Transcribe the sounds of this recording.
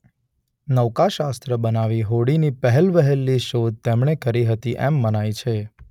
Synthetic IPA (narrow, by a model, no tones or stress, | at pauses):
nəʋkaʃast̪ɾəbənaʋiɦoɽinipəɦɛlʋəɦelːiʃod̪̚t̪emɳekəɾiɦət̪iʔɛmːənait͡ʃʰe